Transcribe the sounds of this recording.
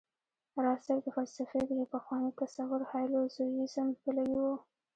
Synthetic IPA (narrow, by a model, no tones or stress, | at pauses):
ɾɑsaɾd̪əfalsafed̪əjpaxwɑnikasawəɾhɑjlozojizamkəlawiwo